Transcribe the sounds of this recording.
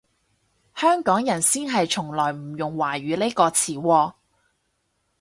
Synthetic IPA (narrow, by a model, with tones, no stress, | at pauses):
hœː˥ŋkɔː˨˥ŋjɐ˨˩nsiː˥nɦɐ˨jt͡ʃʰʊ˨˩ŋlɔː˨˩jm̩˨˩jʊ˨˩ŋwaː˨˩ɥyː˨˧le˥jkɔː˧t͡sʰiː˨˩wɔː˧